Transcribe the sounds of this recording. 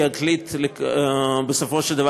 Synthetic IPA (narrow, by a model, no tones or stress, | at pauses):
aklit̪le | besofoʃeld̪ɐva